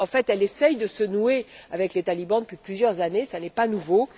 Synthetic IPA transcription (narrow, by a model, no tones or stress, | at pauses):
ɑ̃fɛt̪ɛlɛsɛjd̪əsənueavɛklet̪alibɑ̃d̪əpɥiplyzjœʁzanesanɛpanuvo